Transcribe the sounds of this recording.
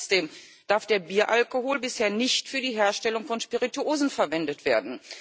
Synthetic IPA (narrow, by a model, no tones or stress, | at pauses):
t͡sd̥eːm | d̥aɐfd̥eːɐbiːɐʔalkohoːlbɪsheːɐnɪçtfyːɐdiːɦeːɐʃtɛlʊŋfɔnʃpiʁituoːzn̩fɛɐvɛndətv̥eːɐdn̩